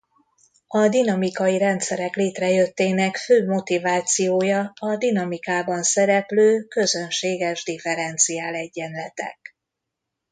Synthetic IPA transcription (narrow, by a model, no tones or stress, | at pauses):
ɒd̪inɒmikɒjiɾɛnt̪sɛɾɛkleːt̪rɛjø̞t̪ːeːnɛkføːmo̞t̪ivaːt̪sijoːjɒɒd̪inɒmikaːbɒnsɛɾɛpløːkø̞zø̞nʃeːɡɛʒd̪ifɛɾɛnt̪sijaːlɛɟːɛnlɛt̪ɛ̰k